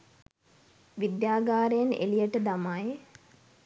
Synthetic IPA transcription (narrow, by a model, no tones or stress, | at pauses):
ʋid̪jaːɡaːɾejənḛlijəʈəd̪amaj